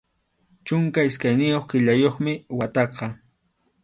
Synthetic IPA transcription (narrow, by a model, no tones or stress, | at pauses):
t͡ʃʊŋkaɪskajnɪjoχkɪʎajoχmɪwat̪ɑqɑ